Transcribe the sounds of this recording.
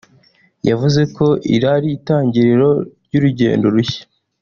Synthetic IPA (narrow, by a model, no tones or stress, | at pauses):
javuze̞ko̞ʔḭɾaɾiːtaːɲɟiɾeɾo̞ɾɟuɾuɟḛːndo̞ɾuçḁ